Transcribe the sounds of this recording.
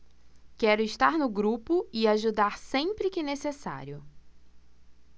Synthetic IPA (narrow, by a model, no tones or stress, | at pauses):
kɛɾʊɪʃt̪aɾnʊɡɾupʊɪaʒud̪aɾsẽpɾɪkɪnesesa̰ɾjʊ